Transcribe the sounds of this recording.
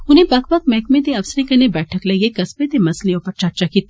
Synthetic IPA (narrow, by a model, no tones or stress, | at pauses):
ʊnẽbɐk̚bɐk̚mɛːkmẽt̪̬eɐfsɾẽkɐnebɛːʈʰəklɐɡekɐspet̪emɐslejõpɐɾt͡ʃɐɾt͡ʃakit̪ː